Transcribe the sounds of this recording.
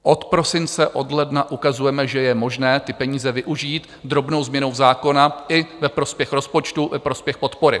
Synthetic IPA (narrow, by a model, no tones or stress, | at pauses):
ʔo̞t̪pɾo̞sɪnt͡sɛʔo̞dlɛdnaʔukazujɛmɛʒɛjɛmo̞ʒnɛːt̪ɪpɛɲiːzɛvɪʔuʒiːt̪ | d̪ɾo̞bnowzmɲɛnowzaːko̞naʔɪvɛpɾo̞spjɛxɾo̞spo̞t͡ʃt̪uvɛpɾo̞spjɛxpo̞t̪po̞ɾɪ̰